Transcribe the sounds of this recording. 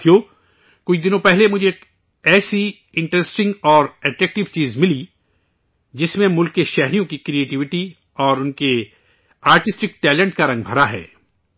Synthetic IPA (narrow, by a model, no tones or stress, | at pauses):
t̪ʰijoː | kʊt͡ʃʰd̪ɪnõpɛɦlemʊd͡ʒʱeːk | ɛːsi | ɪ̃ɳʈɾesʈɪ̃ŋɡɔːɾɛʈɾɛːk̚ʈɪʋt͡ʃiːzmɪli | d͡ʒɪsmẽmʊlkːeʃɛɦɾijõkikɾieːʈɪʋɪʈi | ɔːɾʊnke | aːɾʈɪsʈɪk̚ʈɛːlə̃ɳʈkaɾɐ̃ŋɡbʱɐɾaɦɛ̰ː